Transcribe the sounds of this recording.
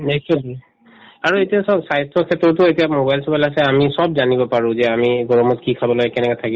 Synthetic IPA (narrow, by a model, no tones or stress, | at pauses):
nɛkt͡ʃuli | aɹuetiasɔsajstʰɔkʰɛtɔtʊetiamobajlsɔbalasɛamisɔbzanibɔpaɹʊ̃zɛamiɡɔɹɔmɔtkikʰabɔlɔɡɛkɛnɛkatʰaki